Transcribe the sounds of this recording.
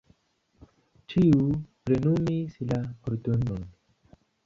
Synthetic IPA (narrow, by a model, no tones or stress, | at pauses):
t͡ʃiupɾenumisilakoɾt̪onon